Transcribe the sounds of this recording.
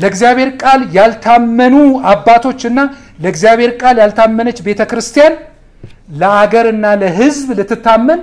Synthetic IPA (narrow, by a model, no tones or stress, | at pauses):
ləɨɡzjaβhe̞ɾkʼaljalt̪ʰamːənuabːat̪ʰo̞t͡ʃːɨnːa | ləɡzijaβhe̞ɾkʼaljalt̪ʰamːənət͡ʃːbet̪ʰəkɾɨst̪ʰijan | ləaɡəɾɨnːaləɦɨzblɨt̪ːɨt̪ːamːən